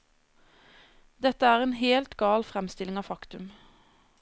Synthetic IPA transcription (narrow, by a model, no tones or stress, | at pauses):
d̪ɛt̪əæːʁeːnɦeːlt̪ɡɑːlfʁɛmst̪ɪlɪŋɑːfɑkt̪ʉm